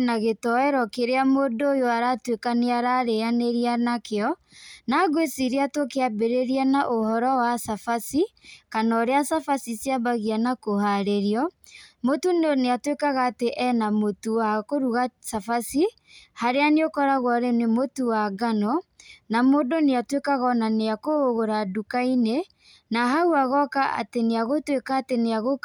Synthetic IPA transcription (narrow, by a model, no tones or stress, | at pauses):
naɣetɔɛɾɔkeɾeamodoːjoaɾatwekaneaɾaɾeaneɾianakeɔ | naɡwesiɾeatokeabeɾeɾianaʔohɔɾɔwasafasikanɔɾeasafasisjabaɣianakohaɾeɾiɔmotunneatwekaɣaːteʔɛnamotuakoɾuɣasafasi | haɾeaneokɔɾaɣwaɾenemotuwaɡanɔnamodoneatwekaɣɔnaneakooɣoɾadukaine | naɦauaɣɔkaa̰teneaɣotwekaːteneaɣo